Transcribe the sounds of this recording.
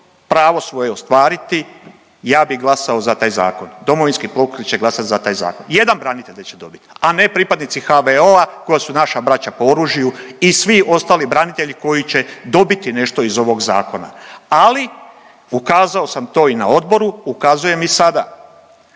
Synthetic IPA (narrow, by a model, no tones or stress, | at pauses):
pɾaːʋo̞sʋo̞jeo̞st̪ʋaːɾit̪i | jaːbiɡlˠasao̞zat̪aːjza̰ːko̞nd̪o̞moʋinskiplokɾit͡ɕe̞ɡlasat̪zat̪aːjza̰ːko̞nje̞d̪anbɾanit̪e̞ʎet͡ɕed̪o̞bit̪ane̞pɾipad̪nit̪sixaʋeoako̞jasunaʃabɾat͡ɕapo̞oɾuːʒijuisʋio̞st̪aːlibɾanit̪e̞ʎiko̞jit͡ɕe̞d̪o̞bit̪ine̞ʃt̪o̞izo̞ʋo̞ɡza̰ːko̞na̰ali | ukaːzao̞samt̪o̞ːinao̞d̪bo̞ɾuukaːzuje̞misad̪a